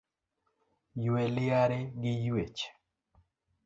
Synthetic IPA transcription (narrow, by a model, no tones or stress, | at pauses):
jwelɪaɾeɡɪjwet͡ʃ